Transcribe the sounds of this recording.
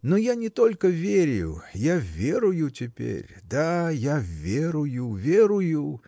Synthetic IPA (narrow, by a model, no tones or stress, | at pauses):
nojanʲɪt̪o̞lʲkəvʲeɾʲjʊ̰javʲeɾʊjʊtʲɪpʲḛɾʲd̪ajavʲeɾʊjʊvʲeɾʊjʊ